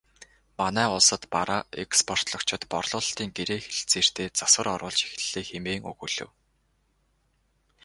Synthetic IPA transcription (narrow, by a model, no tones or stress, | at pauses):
manæːʊɮsə̆t̪pa̰ɾaɛkspʰɔr̥t̪ɮɞ̆kt͡ɕʰɪ̆t̪pɔrɮʊːɮt̪iːŋɡeɾeːxeɬt͡seːr̥t̪eːt͡saswə̆ɾɔɾʊːɮt͡ɕi̥x̆ɮ̥ːeːxemeːŋɵ̰ɣɵɮɘ̰̆w